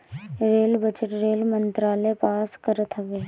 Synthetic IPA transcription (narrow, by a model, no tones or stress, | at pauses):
ɾeːlbəd͡ʒəʈɾeːlmənt̪ɾaːlepaːskəɾət̪ʰəʋeː